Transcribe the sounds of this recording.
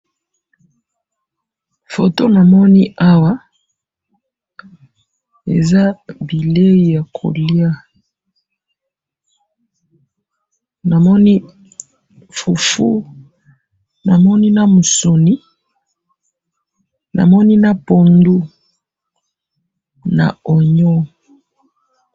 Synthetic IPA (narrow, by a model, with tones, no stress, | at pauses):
fo˨to˦na˨mɔ˦ni˦ʔa˦wa˦ | ḛ˨za˦bi˨le˦i˨ja˨kʰo̰˨lja˦ | na˨mɔ˦ni˦ | fu˨fṵ˦ | na˨mɔ˦ni˦na˦mu˨so˨ni˦ | na̰˨mɔ˦ni˦na˦po˨ndu˦ | na̰˨ɔ˨ɲɔ˦